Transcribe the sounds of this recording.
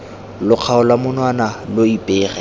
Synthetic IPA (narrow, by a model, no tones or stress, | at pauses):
lʊq͡χʰaʊlwamʊnwanaloipʼeːrɛ